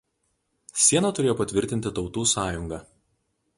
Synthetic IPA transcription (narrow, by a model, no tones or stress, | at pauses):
sʲiɛnɐt̪ʊɾʲeːjoːpɐt̪ʲʋʲɪɾʲt̪ʲɪnʲt̪ʲɪt̪ɒʊt̪uːsɑːjʊŋɡɑ